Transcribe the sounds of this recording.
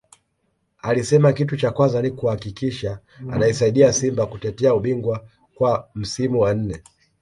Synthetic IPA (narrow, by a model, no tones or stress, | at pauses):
alisɛmakitut͡ʃakwazanikuhakikiʃaː | naisaiɗiasimbakutɛtɛauɓiŋɡwa | kwam̩simuwan̩nɛ